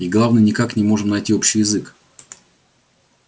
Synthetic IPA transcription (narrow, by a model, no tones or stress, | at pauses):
ɪɡlˠavnɨnʲɪkaknʲɪmo̞ʐɨmnɐjtʲio̞pɕːɪjɪzɨk